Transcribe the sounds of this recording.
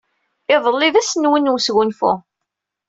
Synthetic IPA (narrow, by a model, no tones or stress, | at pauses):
ɪðˤəlːɪvæsnwənːwsɣunfṵ